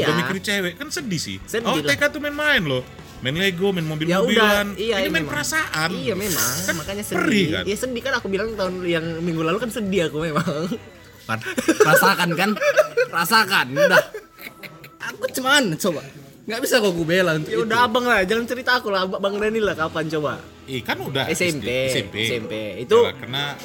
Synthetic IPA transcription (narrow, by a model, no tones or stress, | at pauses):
ijaamiiɾit͡ʃewɛʔkansədisɪ̰sədɔilekat̪umaɛnmaɛnlo | mɛnleɡomɛnmobiljmouidalanijaimɛməɾasaʔanijamema̰ŋmakaɲasəəɾika̰njasədikanakubilaŋt̪aʊnjaŋmiŋɡulalukansədiakumemaŋ | kanɾasakankanpɾasakanudah | akut͡ʃəmant͡ʃoba | ŋɡaʔbisakuakubelanjaudahabaŋlahd͡ʒaŋant͡ʃəɾit̪aːkulababaŋanilahkapant͡ʃoba̰ | ikanuda̰hesɛmpesɛmpeit̪ua̰kəna